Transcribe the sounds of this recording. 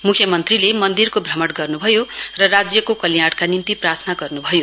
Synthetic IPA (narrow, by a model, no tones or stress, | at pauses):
mukʰjʌmʌnt̪rilemʌnd̪irkobʱrʌmʌʈɡʌrnubʱʌjorʌrad͡zjʌkokʌlijaʈkanint̪iprart̪ʰnaɡʌrnubʱʌjo